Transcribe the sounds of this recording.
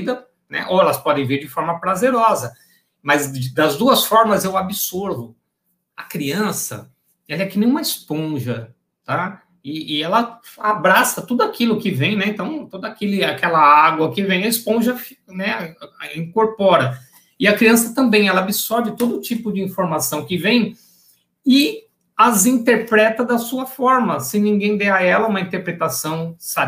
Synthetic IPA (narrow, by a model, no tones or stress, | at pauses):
id̪ɐ | nɛ̰ʔoɛlɐspɔd̪ẽj̃veɾd͡ʒɪfɔɾmɐpɾazeɾɔzɐ | mɐzd̪ɐzd̪uɐsfɔɾmɐzewabɪsoɾvʊ | ɐkɾiɐ̃sɐ̰ | ɛlɐɛkinẽj̃umɐɪspõʒɐ | t̪a | ɪːɛlɐabɾasɐt̪ud̪ʊakilʊkɪvẽj̃nɛẽnt̪ɐ̃w̃t̪od̪ʊakelɪakɛlɐaaɡwɐkɪvẽj̃ɐɪspõʒɐfnɛĩkoɾpɔɾɐ | ɪɐkɾiɐ̃sɐt̪ɐ̃mbẽj̃ɛlɐabisɔɾd͡ʒɪt̪od̪ʊːt͡ʃipʊd͡ʒɪĩfoɾmasɐ̃w̃kɪvẽj̃ | ɪ | ɐzĩnt̪eɾpɾɛt̪ɐd̪ɐsuɐfɔɾmɐsẽnĩŋɡẽj̃d̪ɛɐɛlɐũmɐĩnt̪eɾpɾet̪asɐ̃w̃sa